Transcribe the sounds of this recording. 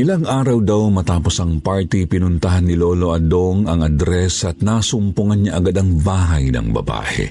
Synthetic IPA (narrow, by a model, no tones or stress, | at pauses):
ʔɪlaŋʔaːɾɐwd̪awmɐt̪aːpo̞sɐŋpaɹt̪ipɪnʊnt̪ɐɦanːɪloːlo̞ʔɐd̪oŋɐŋɐd̪ɾɛsɐt̪̚naːsʊmpʊŋanɲaʔɐɡad̪ɐŋbaːɦajnɐ̰ŋbɐ̰ba̰ːhɛ̰